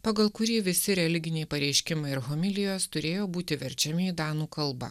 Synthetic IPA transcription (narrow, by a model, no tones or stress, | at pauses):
pɐɡɐlˠkʊɾʲiːʋʲɪsʲɪɾʲɛlʲɪɡʲɪnʲɛɪpɐɾʲɛɪʃʲkʲɪmɐɪɪɾɦɔmʲɪlʲɪjoːst̪ʊɾʲeːjoːbuːt̪ʲɪʋʲɛɾʲt͡ʃʲɛmʲɪid̪ɑːnuːkɐlˠˑbɐ̰